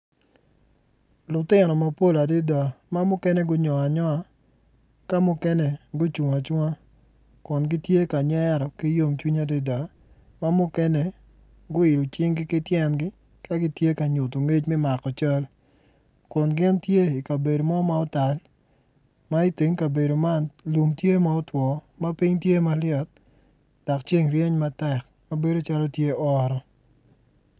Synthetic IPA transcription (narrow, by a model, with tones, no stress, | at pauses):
lʊ˨tɪ˦nɔ˨ma˨po˦la˨dɪ˦da˨ma˦mʊ˦kɛ˦nɛ˦ɡʊ˦ɲɔ˨a˨ɲɔ˦a˨ | ka˦mʊ˦kɛ˦nɛ˨ɡʊ˦t͡ʃu˨ŋa˨t͡ʃwŋa˦ | kʊ˨nɡɪ˦tje˦ka˨ɲɛ˦ɾɔ˨ki˦jo˦ŋt͡ʃwi˦ɲa˨dɪ˦da˨ | ma˦mʊ˦kɛ˦nɛ˦˨ | ɡʊ˦ɪ˨lo˨t͡ʃɪ˦ŋɡɪ˦kɪ˦tjɛ˦nɡɪ˦ | ka˦ɡɪ˦tje˦ka˨ɲʊ˨to˨ŋe˦t͡ʃmɛ˦ma˨kɔ˨t͡ʃa˦l | kʊ˨nɡɪ˦ntje˦i˨ka˨be˨do˨mɔ˦ma˦ʊ˦ta˨l | ma˦i˦te˨ŋka˨be˨do˨ma˦nlu˨mtje˦ma˦ʊ˦twɔ˨ma˦pi˦ɲtje˦ma˦ljɔ˨t̚ | d̥ɔ˨kt͡ʃe˦ŋrje˦ɲma˦tɛ˨k̚ | ma˦be˦do˦t͡ʃa˦lɔ˦tje˦ɔ˦ɾɔ˨